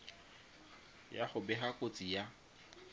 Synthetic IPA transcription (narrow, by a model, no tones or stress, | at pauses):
jaχʊbɛχakʼot͡sʼija